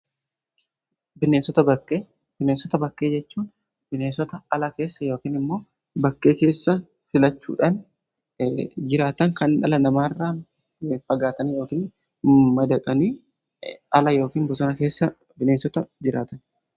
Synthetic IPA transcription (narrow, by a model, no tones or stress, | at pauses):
bɪneːnsɔt̪ɐbɐkːeː | b̥ɪnensɔt̪ɐbɐkːeːd͡ʒɛt͡ʃːuːn | b̥ɪneːnsɔt̪ɐɐlɐke̞ːsːɐjo̞ːkiːnɪmːo̞ː | bɐkːe̞ːke̞ːsːɐ | sɪlɐt͡ʃːṵːᶑɐn | d͡ʒɪɾaːt̪ɐŋkɐnɐlɐnɐmaːrːaː | fɐɡaːt̪ɐnijo̞ːkiːn | mɐd̪ɐᶑʼɐniː | ʔɐlɐjo̞ːkiːnbɔsɔnɐke̞ːsːɐ | bɪneːnsɔt̪ɐd͡ʒɪɾaːt̪ɐn